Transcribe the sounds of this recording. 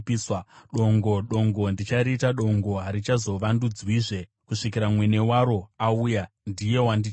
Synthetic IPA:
piswaɗo̞ŋɡo̞ɗo̞ŋɡo̞ndit͡ʃaɾiːtaɗo̞ŋɡo̞ɦaɾit͡ʃazo̞ʋandud͡zwiːʐe̞ | kuʂikiɾamwene̞waɾo̞auja | ndije̞wandi

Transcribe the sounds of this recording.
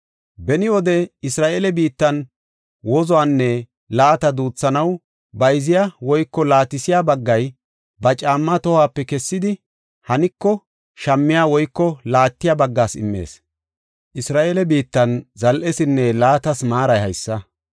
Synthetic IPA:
bɛnɪwɔd̪ɛɪsɾaːʔeːlɛbiːt̪ːɐn | wɔzɔaːnːɛ | laːt̪ɐd̪uːt͡sːɐnɐw | bɐjzɪjawɔjkːɔlaːt̪ɪsɪjabɐɡːɐj | bɐt͡ʃʼaːmːɐt̪ɔhaːpːɛkɛsːɪd̪ɪ | hɐnɪkːɔ | ʃɐmːɪjaːwɔjkːɔlaːt̪ːɪjabɐɡːaːsɪ̰mːe̞̰ːs | ʔɪsɾaːʔelɛbiːt̪ːɐnzɐlʔɛsɪnːɛlaːt̪ɐsmaːɾɐjhɐjsːɐ

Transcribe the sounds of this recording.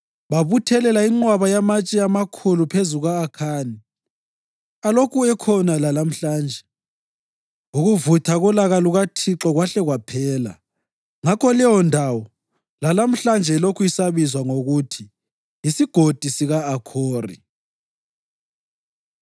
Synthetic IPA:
βaβutʰɛlɛlaiŋ͡ǀwaβajamat͡ʃʼiamakʰulupʰezuɣaːkʰani | alokʰuɛkʰɔnalalam̩ɬaːnd͡ʒʱɛ | uɣuvutʰaɣɔlaɣaluɣatʰiǁɔɣwaɬɛɣwapʰɛːla̰ | ŋakʰɔlɛwɔndʱawɔ | lalam̩ɬand͡ʒʱɛlokʰuisaβizwaŋoɣutʰi | isiɡ̥ʱod̥ʱisiɣaːkʰoːrḭ

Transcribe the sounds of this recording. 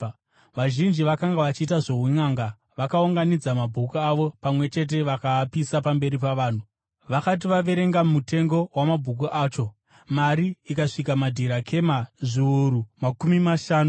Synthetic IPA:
ʋaʒind͡ʒiʋakaŋɡaʋat͡ʃiːtaʐo̞ɦuŋaːŋɡa | ʋakauŋɡanid͡zamabʱukuaʋo̞pamwe̞t͡ʃe̞t̬e̞ʋakaːpisapambe̞ɾipaʋaːn̤u | ʋakat̬iʋaʋe̞ɾe̞ŋɡamute̞ŋɡo̞wamabʱuk̬uʔaːt͡ʃo̞ | maɾiikaʂikamadʱiɾakʰe̞maʐiuɾumakumimaʃaːnu

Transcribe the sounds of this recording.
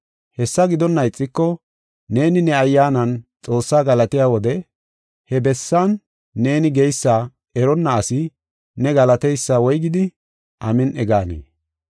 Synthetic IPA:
hɛsːɐɡɪd̪ɔnːɐjt͡sʼːɪkːɔ | ne̞ːnɪnɛɐjːaːnɐnt͡sʼo̞ːsːaːɡɐlɐt̪ɪjaːwɔd̪ɛ | hɛbɛsːɐnː | e̞ːnɪɡɛjsːa | ɛɾɔnːɐːsɪ | nɛɡɐlɐt̪ɛjsːaːwɔjɡɪd̪ɪ | ʔɐmɪnʔɛɡaːnḛː

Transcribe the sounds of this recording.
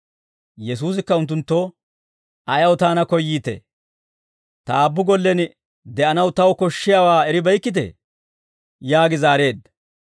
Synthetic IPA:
jɛs̬uːs̬ɪkːɐʊnt̪̬ːʊnt̪ːo | ɐjɐwt̪aːnɐkɔjːiːt̪ɛ̰ | t̪aːbːʊɡɔlːɛn | d̪ɛʔɐnɐwt̪ɐwkɔʃːɪjaːwaːɛɾɪbɐjkːɪt̪̬ɛ̰ | jaːɡɪzaːɾe̞ːd̪ːɐ

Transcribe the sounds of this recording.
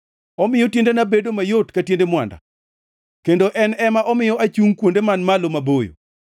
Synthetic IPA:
ɔmɪjɔtjendenabedomajotkatjendemwa̰nda̰ | kendoʔɛnɛmaʔɔmɪjɔat͡ʃuŋkwondemanmalomabojo̰

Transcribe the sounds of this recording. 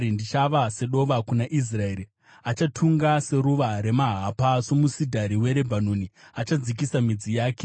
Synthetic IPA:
indit͡ʃaʋase̞ɗo̞ʋakunaʔis̬raeɾi | at͡ʃatʰuŋɡase̞ɾuʋaɾe̞maɦapaso̞musidʱaɾiwe̞ɾe̞bʱanoniat͡ʃad͡zik̬isamid͡zijaːke

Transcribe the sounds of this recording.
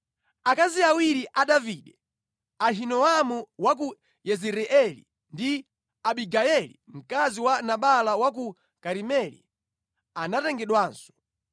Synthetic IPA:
akaziawiɾiʔaɗaviɗɛ | aɦinɔamuwak̬u | jɛziɾɛʔɛlḭ | ndi | aɓiɡaɛlḭm̩kaziwanaɓalawak̬u | kaɾimɛlḭ | anatɛŋɡɛɗwaːnsɔ̥

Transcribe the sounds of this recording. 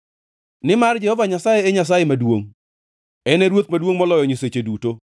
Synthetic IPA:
nɪmard͡ʒɛhɔvaɲasajeːɲas̬ajemadwoŋ | ɛnɛɾwot̪̚madwoŋmɔlɔjɔɲiset͡ʃeduto

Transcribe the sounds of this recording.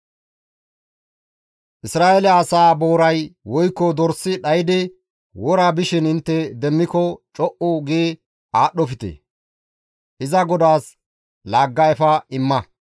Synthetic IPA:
ʔɪsɾaːʔɛlɛɐsaːbo̞ːɾɐjwɔjkːɔd̪ɔɾsːɪɗɐjɪd̪ɪ | wɔɾabɪʃɪnɪnt̪ːɛd̪ɛmːɪkɔt͡ʃʼɔʔʊɡeː | aːɗːɔfɪt̪ḛ | ʔɪzɐɡɔd̪aːs | laːɡːɐɛfɐɪmːɐ

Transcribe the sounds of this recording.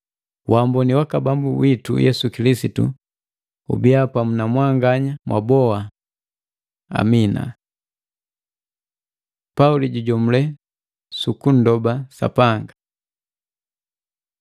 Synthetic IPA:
wambɔniwakabambuwitṵjɛ̰sukilisitṵ | ṵbiapamunamwaŋɡaɲamwʔa̰bɔa | a̰mina̰ | pauliɟuɟɔmulɛ | sukun̩dɔbasa̰paŋɡa

